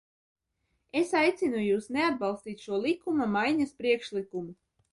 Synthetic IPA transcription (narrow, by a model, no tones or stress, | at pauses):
esajt̪sinujuːsnead̪̚bɑlˠst̪iːt̪ʲʃuɔlˠikumamajɲaspɾiɛkʃlikumu